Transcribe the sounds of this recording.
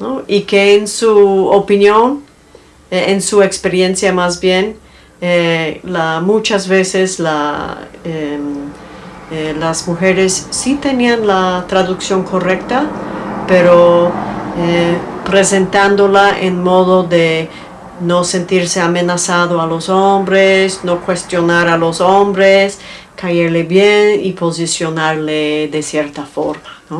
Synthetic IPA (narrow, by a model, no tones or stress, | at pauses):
noike̞ːnsuopinjon | ensue̞kspe̞ɾje̞nsjamazbje̞n | elamut͡ʃazβe̞se̞sla̰ | e | lazmuxe̞ɾe̞sːit̪e̞nianlat̪ɾaðuksjo̞ŋko̞re̞k̚t̪apeɾo | epɾe̞se̞nt̪and̪olaʔḛnmo̞ðoðe | nose̞nt̪iɾseame̞nasaðoalo̞sombɾesno̞kwe̞st̪jo̞naɾalo̞sombɾes | kajeɾleβjenipo̞s̬isjo̞naɾleðesjeɾt̪afo̞̰ɾmano